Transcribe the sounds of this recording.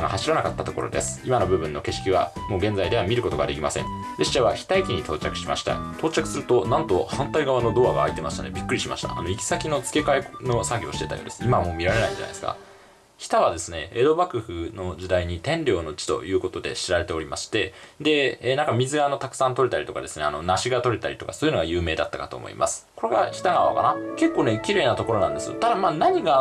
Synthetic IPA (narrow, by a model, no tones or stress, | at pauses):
aɡa̰haɕiɾanakat̪ːat̪o̞ko̞ɾo̞̰d̪e̞sɨ̥imano̞bɯ̟bɯ̟̃nːo̞ke̞ɕi̥kʲiβ̞amo̞ːɡẽ̞nd͡zaid̪e̞β̞amʲiɾɯ̟ko̞t̪o̞ɡa̰d̪e̞kʲimasẽ̞n | d̪e̞ɕiʑaβaçi̥t̪aikʲiɲ̟it̪o̞ːt͡ɕakɯ̟̥ɕima̰ɕi̥t̪a̰t̪ʰo̞ːt͡ɕakɯ̟sɨɾɯ̟t̪o̞nãnt̪o̞hãnt̪aiɡaβ̞ano̞d̪o̞ːβaɡa̰ːit̪e̞maɕi̥t̪a̰nebʲikːɯɾʲiɕima̰ɕi̥t̪a̰ːno̞ikʲi̥sakʲino̞t͡sɨ̥ke̞kaeno̞saɡʲoːɕi̥t̪e̞t̪a̰jo̰ːd̪e̞sɨimamo̞ːmʲiɾaɾe̞naiɲd͡ʑa̰na̰esɨ̥ka̰ | çʲi̥t̪aβad̪e̞sɨne̞̰ed̪o̞bakɯ̟ɸɯ̟no̞ʑid̪aiɲ̟it̪ẽ̞nɾʲo̞ːno̞t͡ɕi̥t̪o̞̰jɯ̟ːko̞t̪o̞d̪e̞̰ɕiɾaɾe̞t̪e̞o̞ɾʲimaɕi̥t̪e̞d̪e̞ːnãŋkamʲizɨɡaːno̞t̪akɯ̥sãnt̪o̞ɾet̪aɾit̪o̞ka̰d̪e̞sɨne̞ano̞naɕiɡat̪o̞ɾe̞t̪aɾʲi̥t̪o̞kḁsoːjɯ̟no̞ɡajɯ̟ːme̞ːd̪at̪ːakat̪o̞̰ːmo̰ḭmʔasɨ̥ko̞ɾe̞ɡa̰çʲi̥t̪aɡaβa̰ka̰nake̞kːo̞ːne̞kʲiɾe̞ːnat̪o̞ko̞ɾo̞nãnd̪e̞sɨjo̰t̪ad̪amaːnaɲ̟iɡa